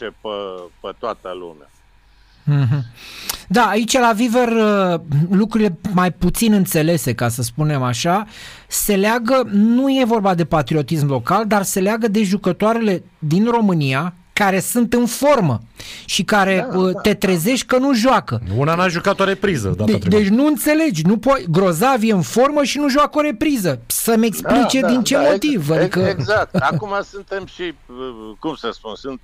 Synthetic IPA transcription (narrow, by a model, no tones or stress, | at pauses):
t͡ʃepəpət̪oat̪əlṵma̰ | ɦ̩d̪aːit͡ʃalaviverəlukɾuɾile̞majput̪sinɨnt̪se̞le̞se̞kasəspune̞maʃa | se̞leaɡənuje̞vo̞rbad̪e̞pat̪ɾio̞t̪ismlo̞kald̪arse̞leaɡəd̪e̞ʒukət̪oaɾe̞le̞ | d̪inro̞mɨnia | kaɾe̞sunt̪ɨnfo̞rməʃikaɾe̞ət̪e̞t̪ɾe̞ze̞ʃt̪ʲkənuʒwakəunanaʒukat̪oɾe̞pɾizə̰d̪ad̪d̪e̞t͡ʃʲnuɨnt̪se̞le̞d͡ʒʲnupot̪ɡɾo̞zavjeɨnfo̞rməʃinuʒuako̞ɾe̞pɾizəsəmeksplit͡ʃe̞d̪int͡ʃe̞mo̞t̪ivad̪ikəzak̚t̪akumasunt̪e̞mʃikumsəspunsunt̪